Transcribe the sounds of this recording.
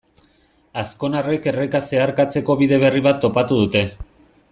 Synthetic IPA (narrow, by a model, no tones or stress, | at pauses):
asko̞nare̞ke̞rekase̞aɾkat͡se̞ko̞βiðe̞β̞e̞riβ̞at̪ːo̞pat̪uðut̪e̞